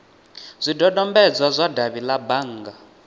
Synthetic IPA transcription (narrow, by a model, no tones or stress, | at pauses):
zʷidɔdɔmbɛd͡zwazʷadaβilabaŋːɡa